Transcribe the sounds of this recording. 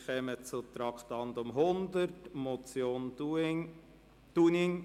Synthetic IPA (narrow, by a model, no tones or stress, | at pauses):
χɛmət͡sʊt̪ɾɑkt̪ɑnd̪ʊmɦʊnd̪ərtmɔt͡sjoːn | t̪unɪŋ